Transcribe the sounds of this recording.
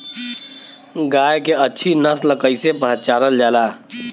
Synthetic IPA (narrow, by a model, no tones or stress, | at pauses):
ɡaːjkeətːʃʰinəsləkəɪsepəɦət͡ʃaːɾəld͡ʒaːlaː